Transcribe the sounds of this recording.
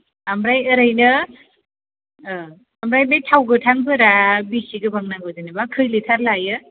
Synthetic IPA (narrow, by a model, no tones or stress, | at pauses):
amɾajɯɾɯjnɯ | amɾajbejtʰawɡɯtʰaŋpʰɯɾabisiɡɯbaŋnaɡɯzɯnɯbakʰɯjlitʰaɾlajɯ